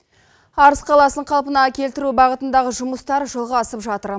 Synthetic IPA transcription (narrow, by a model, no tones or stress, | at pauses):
ɑɾəsqʰɑlˠɑsəɴqʰɑlˠpənɑkʲe̞lt̪ɪɾubɑʁət̪ənd̪ɑʁəʒʊməst̪ɑɾʒolˠʁɑːsəpʒɑt̪əɾ